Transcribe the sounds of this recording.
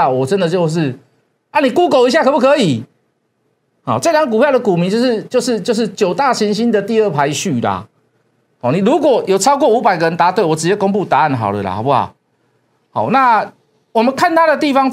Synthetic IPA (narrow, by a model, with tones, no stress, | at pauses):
wɔ˨˩t͡sə˦nd̪ə˨t͡ɕjo˥˧ʊʂ̬ɻ̩˥˨ | a˥˩ni˨˩ku˥ko˨˩ʊi˦ɕ̬ja˥˩kʰə˨˩pu˥˩kʰɤ˧˥i˨˩ | hɔ˨˩t͡sə˥˩˨ɾʰa˧˦ŋk̬u˨˩pja˥˩d̪ə˨ku˨mi˨˧˦t͡ɕo˥˧ʊʂɻ̩˥˧t͡ɕjo˥˧ʊʂ̬ɻ̩˥˧t͡ɕjo˥˧ʂɻ̩˥˩t͡ɕjo˨˩ʊt̪a˥˩ɕi˧˥nɕi˦˥nd̪ə˨t̪i˥˧ə˥˩pʰa˧˦ɪɕy˥˩la̰˨ | hɑ˨˩nĩ˨˩lu˧˦˥kwɔ˨˩jo˨˩t͡sʰɑ˥ʊkwɔ˥˨u˧˦˥pa˨˩ɪɡə˩ɻə˧˦nt̪a˧˥t̪we˥ɪwɔ˨˩ʈ͡ʂɻ̩˧t͡ɕjɛ˥ko˥ŋpu˥˨t̪a˧˦a˥˩nɦa̰˨˩ʊlə̰˨la̰˩ha̰˨˩pa̰˨˩ | ha˨˩ʊna˥˨ | wɔ˨˩mə˨nkʰa˥˨nt̪ʰa˦˥d̪ə˨t̪i˥˨fɑ˦ŋ